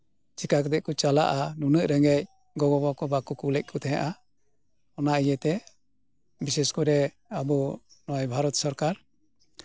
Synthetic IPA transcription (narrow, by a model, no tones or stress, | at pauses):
t͡ʃikak̬d̪ɛʔkɔt͡ʃala̰ʔanunəʔɾɛŋɛc̚ | ɡɔɡɔbakɔbakukulɛc̚ˀkʰɔt̪ʰɛja̰ʔa | ɔnaʔijɛt̪ɛ | bisɛskɔɾɛ | abunɔjbʱaɾɔt̪sɔɾkaɾ